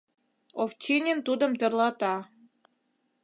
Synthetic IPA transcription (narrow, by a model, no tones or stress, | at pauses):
oft͡ɕinʲent̪ud̪ə̆mt̪ə̆rlɑt̪ɑ